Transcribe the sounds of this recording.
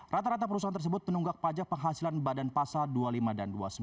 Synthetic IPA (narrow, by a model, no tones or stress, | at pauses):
rat̪aɾat̪apəɾusant̪ərs̬əbʊt̪̚mənuŋɡak̚pad͡ʒak̚pəŋɦasilanbadanpasaldualimadandua̰sə